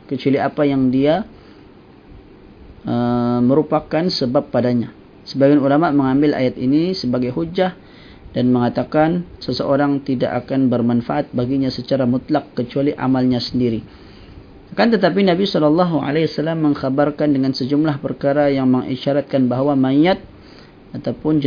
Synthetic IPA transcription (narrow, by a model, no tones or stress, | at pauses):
kət͡ʃualiapajaŋdia | əməɾupakansəbapːadaɲa | səbaɡanulamaʔməŋambɪlʔa̰jat̪inisəbaɡajɦud͡ʒah | danməŋat̪akansəsəʔoɾaŋt̪ida̰ʔakanbərmanfaʔat̪̚baɡiɲasət͡ʃaɾamʊt̪lakːət͡ʃualiʔa̰malɲasəndiɾi | akant̪ət̪ap̬inabisɔlɔlːɑɦua̰lawasalːamːəŋxabarkandəŋansəd͡ʒumlahpərkaɾajaŋməŋʔḭʃaɾat̪̚kanbaɦwamaiat̪̚ | at̪awpʊnd͡ʒ